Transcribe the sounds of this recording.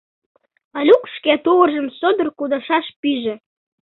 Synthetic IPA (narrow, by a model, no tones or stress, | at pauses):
ɑlʲukʃket̪uɣərʒəmsod̪ərkud̪ɑʃɑʃpiʒĕ